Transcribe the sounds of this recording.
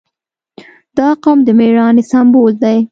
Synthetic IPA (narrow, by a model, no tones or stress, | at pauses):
d̪̥ɑqamd̪əmeɾɑnesambold̪aj